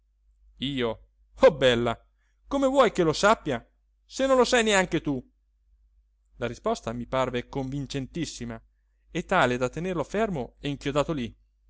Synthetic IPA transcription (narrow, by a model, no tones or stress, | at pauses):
iːo | ɔbːɛlːa | komevwɔjkelosapːja | senːõnlosɛjneaŋk̟et̪u | laɾispɔst̪amiparvekoɱvint͡ʃent̪isːima | et̪ːaːled̪at̪ːenerloafermoɛiŋkjod̪aːt̪oli